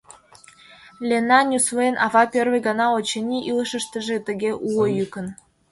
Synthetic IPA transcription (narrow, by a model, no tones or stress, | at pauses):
lʲenɑnʲusvoenʔɑvɑpʲørvĕɡɑnɑot͡ɕĕnʲiʔilɤ̆ʃə̆ʃt̪ə̆ʒĕt̪ə̆ɣʲeʔuɤ̆jykə̆n